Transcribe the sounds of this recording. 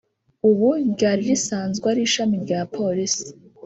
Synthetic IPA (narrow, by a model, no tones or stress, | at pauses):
uβuɟaːɾiɾisaːnzɡwaɾiʃamiɾɟaːpʰo̞ɾisi̥